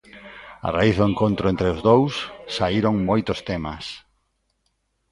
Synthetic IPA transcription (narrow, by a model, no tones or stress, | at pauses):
a̰raiθðʊeŋkõnt̪ɾʊẽnt̪ɾeʊzðowsːaiɾoŋmojt̪ʊst̪emas